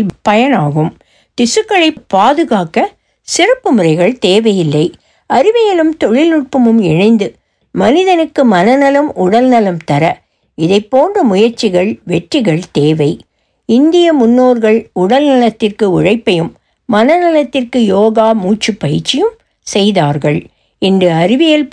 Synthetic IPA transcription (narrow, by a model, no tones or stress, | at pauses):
pɐjɐnaːɣɯm | t̪ɪsɯkːɐɭɐɪpːaːðɯɣaːkɐ | sɪɾɐpːɯmɯrɐɪɣɐɭt̪eːʋɐjɪlːɐɪ | ɐɾɪʋɐjɐlɯmt̪ɔɻɪlʊʈ̚pɐmɯmɛnɐɪnd̪ɯ | mɐnɪðɐnɯkːɯmɐnɐnɐlɐmʊɽɐlnɐlɐmt̪ɐɾɐ | ɪðɐɪpːoːndrɯmʊjɐɾt͡ʃːɪɣɐɭʋɛʈrɪɣɐɭt̪eːʋɐɪ | ɪnd̪ɪjɐmʊnːoːɾɣɐɭʊɽɐlnɐlɐt̪ːɪrkɯʊɻɐɪpːɐjɯmː | ɐnɐnɐlɐt̪ːɪrkɯjoːɣaːmuːt͡ʃːɯpːɐjɪt͡ʃːɪjɯm | sɛjðaːɾɣɐɭ | ɪndrɯɐɾɪʋɪjɐl